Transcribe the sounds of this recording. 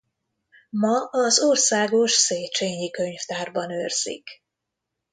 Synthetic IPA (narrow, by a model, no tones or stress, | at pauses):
mɒɒzorsaːɡoʃseːt͡ʃeːɲikøɲft̪aːrbɒnøːrzḭk